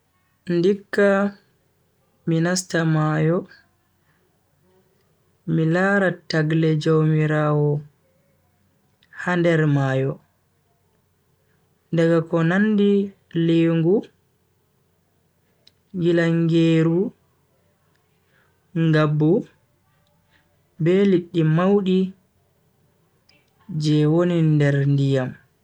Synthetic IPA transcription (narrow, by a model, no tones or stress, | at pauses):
ndikːa | minastamaːjɔ | milaːɾataɡlɛd͡ʒawmiɾaːwɔ | handɛɾmaːjɔ | daɡakɔnandi | leŋɡu | ŋɡilaŋɡeːɾu | ŋɡabːu | bɛliɗːimawɗi | d͡ʒɛwonindɛɾndijam